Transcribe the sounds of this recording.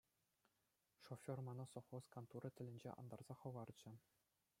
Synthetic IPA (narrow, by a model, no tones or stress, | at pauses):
ʂofʲormɑnɑsoχoskɑnt̪uɾɤt̪ʲɘ̆lʲɘ̆nʲd͡ʑḛʔɑ̰nd̪ɑrz̥ɑχɤ̆ʋɑrd͡ʑɘ̆